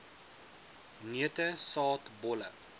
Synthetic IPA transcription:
niətəsɑːtbɔlə̰

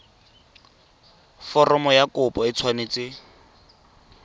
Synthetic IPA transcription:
fɔrɔmɔjakʊpʼɔɪt͡sʰwaneːt͡sɪ

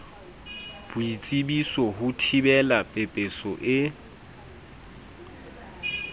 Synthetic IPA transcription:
b̥ʊit͡sʼibisɔɦʊtʰibɛlapʼepʼesɔʔɪ

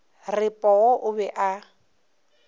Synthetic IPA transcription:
rɪpʼɔɔʔʊbɛʔa

